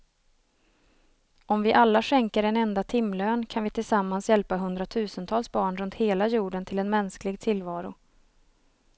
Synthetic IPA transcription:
ɔmvɪʔalːaʂɛŋkəɾɛnɛnd̪at̪ʰɪmːløːnkʰanvɪt̪ʰɪlsamːansjɛlpaɦɵnd̪ɾat̪ʰʉ̟ːsənt̪ʰɑːlsbɑːɳɾɵnt̪heːlajuːɖənt̪ʰɪlɛnmɛnsklɪɡt̪ʰɪlvɑːɾʊ

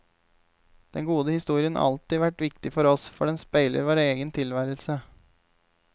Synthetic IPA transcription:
d̪̥ɛŋɡuːd̪əhɪst̪uːɾɪən̰ɑ̰lt̪ɪːʋæʈʋɪk̚t̪ɪfɔɾɔsfɔɖɛnspæɪlə̰ɾʋoːɾeːɡənt̪ʰɪlʋæːɾəlsə

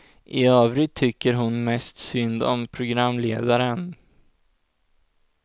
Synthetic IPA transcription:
ʔɪøːvɾɪt̪ʰːʏkːəɾɦʊnmɛst̪sʏnd̪ɔ̰mpʰɾʊɡɾamːleːd̪aɾən

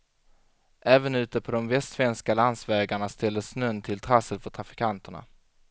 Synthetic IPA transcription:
ʔɛːvənʉ̟ːt̪əpʰɔd̪ɔmvɛst̪vɛnskaland̪svɛːɡaɳast̪ɛld̪əsnœnːt̪ʰɪlt̪ʰɾasəlfœʈʰɾafɪ̥kʰant̪əɳa̰

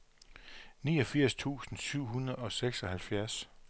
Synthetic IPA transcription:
nḭːɒ̽fiɐ̰st͡sʰṵːsn̩syʊ̰ɦunɐð̩ˠɒ̽seɡ̥sɒ̽hælfjæɐs

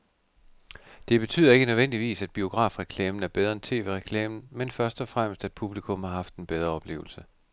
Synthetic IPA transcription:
d̥e̝b̥e̝t͡sʰy̰ːð̰ˠɐe̝ɡ̥ənøðˠʋen̰d̥iʋḭːsæd̥̚b̥io̝ɡ̥ʁɑ̰̈fʁɛkʰlɛːmn̩æɐb̥eð̞ˠɐent͡sʰe̝̰ːʋe̝̰ʁɛkʰlɛ̰ːmn̩menfɶɐsd̥ɒ̽fʁam̰əsd̥æd̥̚pʰub̥likʰɔ̽m̰hɑ̈ɦɑ̈fd̥enb̥eð̞ˠʁɐɒ̽b̥le̝̰ːʊl̩sə

